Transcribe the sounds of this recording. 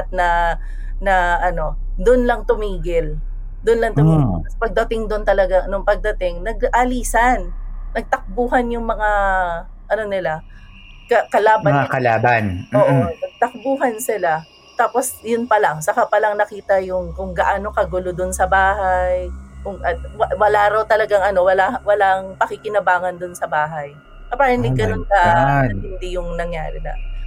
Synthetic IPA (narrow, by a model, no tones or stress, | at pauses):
t̪̚nɐ | nɐʔɐno̞ | d̪ʊnlɐŋt̪ʊmiːɡɪl | d̪ʊnlɐŋt̪ʊmiɡɐspɐɡ̚d̪ɐt̪ɪŋd̪ont̪ɐlɐɡanʊŋpɐɡ̚d̪ɐt̪ɪŋnɐɡʔɐliːsɐnːɐɡ̚t̪ɐk̚buːhɐnjʊŋmɐŋa | ʔɐno̞nɪlakɐkɐlaːbaŋakɐlaːbanoːʔonɐɡ̚t̪ɐk̚buːɦɐnsɪla | t̪aːpo̞sjʊnpɐlaŋsɐkapɐlaŋnɐkiːt̪ɐjʊŋkʊŋɡɐʔaːno̞kɐɡʊlod̪ʊnsɐbaːhajkʊŋʔɐwwɐlaɾɐwt̪ɐlɐɡaŋɐno̞wɐlawɐlaʔɐŋpɐkɪkɪnɐbaːŋɐnd̪ʊnsɐbaːɦɐj | kɐpaːɹɐŋlɪɡɐnonkɐhɪnd̪ijʊŋnɐŋja̰ːɾɪd̪ɐ̰ʔ